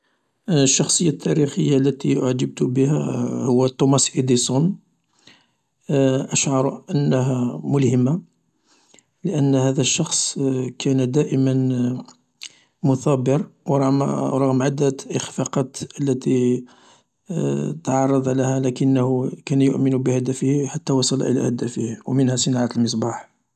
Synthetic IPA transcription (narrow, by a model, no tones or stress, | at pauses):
ʃːɑxsˤəjːat̪ʰːæɾixəjːalːæt̪iʔaʕd͡ʒəb̚t̪ʊbəhæ̰hʊwːæt̪ˤːumɑsʔid̪isˤun | ʔəʃʕɑɾˤʔənːəɦæmʊlhəma | ləʔənːhæd̪æʃːɑxsˤkʰænd̪æʔəmən | mʊθɑbəɾwɾˤɑmɾˤɑɣmʕad̪ːæt̪ʔəxfɑqɑt̪əlːæt̪i | t̪ʕɑrˤːɑd̪ˤʕlæhælækənːhukænjʊ̰ʔmənubəhæd̪æfəhiħat̪ːæwɑsˤɑl̰ʔə̰læ̰hæd̪æfəhwmənhæsˤənɑʕat̪əlməs̬ˤbɑħ